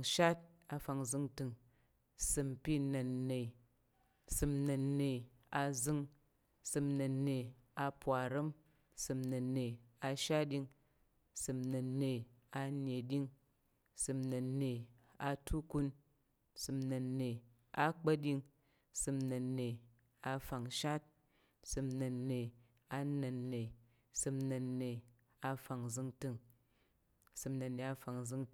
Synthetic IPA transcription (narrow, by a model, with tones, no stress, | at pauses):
ŋʃa˦t̚ | a˧fa˧ŋzɨ˧ŋtɨ˧ŋ | sɨ˧m˨pʲi˦nɐ˨nːe˨i˨ | sɨ˧mnɐ˨nːe˨ | a˧zɨ˧ŋ | sɨ˧mnɐ˨nːe˨ | a˧pʷa˨ɾɨ˦m | sɨ˧mnɐ˨nːe˨a˧ʃa˦t̚ɗʲi˧ŋ | sɨ˧mnɐ˨nːe˨a˧ne˨dʲi˦ŋ | sɨ˨˧mnɨ˨ne˨ | a̰˧tu˦ku˦n | sɨ˧mnɐ˨nːe˨ | a˦k͡pɐ˦dʲi˧ŋ | sɨ˨˧mnɐ˨nːe˨ | a˧fa˨ŋʃa˦t̚ | sɨ˨˧mnɐ˨nːe˨ | a˧nɐ˨nːe˨ | sɨ˧mnɐ˨nːe˨ | a˧fa˨ŋzɨ˧ŋtɨ˧ŋ | sɨ˧mnɐ˨nːe˨a˧fa˨ŋ˨zɨ˧ŋ